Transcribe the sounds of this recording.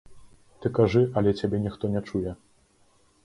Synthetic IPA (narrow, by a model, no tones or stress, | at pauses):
t̪ɨkaʐɨʔɐlʲɛt͡sʲabʲɛnʲixt̪ɔnʲɛt͡ʂujɛ